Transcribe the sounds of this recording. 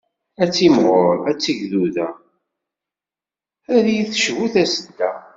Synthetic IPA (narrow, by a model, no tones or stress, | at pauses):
æt͡sːimʁoɾæt͡sːiʝðuðæ | æɾjiθʃwuθæsəd̪ːæ̰